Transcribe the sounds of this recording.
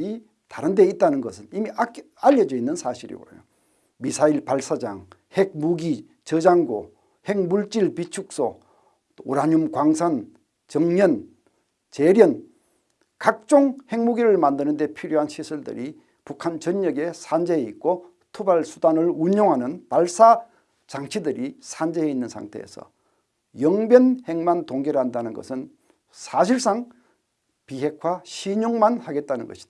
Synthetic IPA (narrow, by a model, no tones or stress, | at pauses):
i | taɾɯnde̞it̚t͈anɯnɡʌsʰɯnimia | aʎːʌd͡ʑʌinːɯnsʰaɕʰiɾḭbo̰ɾḛjo | misʰaiɭpaɭs͈ad͡ʑa̰ŋheɡ̚muɡi | t͡ɕʌd͡ʑaŋɡo̰ | heŋmuɭt͡ɕ͈iɭpit͡ɕʰuk̚s͈o | oɾaɲumkwaŋsʰan | t͡ɕʌŋɲʌn | t͡ɕeɾjʌn | kak̚t͡ɕ͈oŋhe̞ŋmuɡiɾɯɭmandɯnɯnde̞pʰiɾjoɦanɕʰisʰuɭdɯ̰ɾʔi | pukʰant͡ɕʌɲːʌɡe̞sʰand͡ʑe̞ːik̚k͈o | tʰubaɭsʰudanɯɭuɲjoŋɦanɯnpaɭs͈a | t͡ɕaŋt͡ɕʰidɯɾisʰand͡ʑeeinːɯnsʰa̰ŋtʰe̞̰ḛsʰʌ̰ | jʌŋbjʌnhe̞ŋmantoŋɡeɾɦandanɯnɡʌ̰sʰɯn | sʰaɕʰiɭs͈aŋ | piɦe̞kʰwaɕʰiɲoŋmanhaɡe̞t̚t͈anɯnɡʌɕʰi̥d